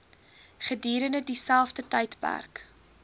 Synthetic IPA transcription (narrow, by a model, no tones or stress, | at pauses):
χədiːɾənədisælˠfdətəjtpæ̰rk